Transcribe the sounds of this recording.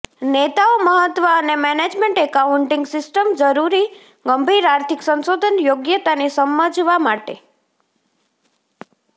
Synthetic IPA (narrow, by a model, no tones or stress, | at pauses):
net̪aoməɦət̪ʋəːnemɛned͡ʒmeɳʈekaʊɳʈɪŋɡsɪsʈəmd͡ʒəɾuɾi | ɡəmbʱiɾaɾt̪ʰɪksə̃nsod̪ʱənjoɡjət̪anisəməd͡ʒʋamaʈḛ